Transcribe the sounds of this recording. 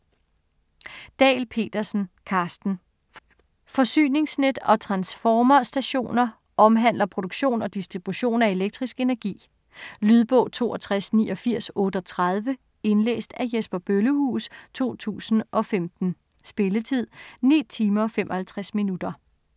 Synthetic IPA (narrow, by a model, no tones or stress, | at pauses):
d̥ɛ̰ːɪlpʰe̝̰ːd̥ɐsn̩kʰɑ̈ːsd̥n̩ | fɒ̽sy̰ːne̝ŋsned̥ɒ̽t͡sʰʁɑ̈nsfɒːmɐsd̥æɕo̝̰ːnɐ | ʔɒ̽mɦæn̰lɐpʰʁo̝d̥oɡ̥ɕo̝̰ːnɒ̽d̥isd̥ʁib̥uɕo̝̰ːnæe̝leɡ̥̚d̥ʁisɡ̥e̝næɐɡ̥ḭː | lyðˠb̥ɔ̰̽ʊ̰t͡sʰo̝̰ːʔɒt͡sʰʁasnḭːʔɒ̽fiɐ̰sɔ̽ːd̥əɒ̽t͡sʰʁɑð̞ˠʋə | e̝nlḛːsd̥æjesb̥ɐb̥øləhṵːst͡sʰo̝̰ːt͡sʰṵːsn̩ʔɒ̽femd̥n̩ | sb̥e̝lət͡sʰið̞̰ˠnḭt͡sʰiːmɐfem̰ʔɒ̽hælt͡sʰʁasminud̥ɐ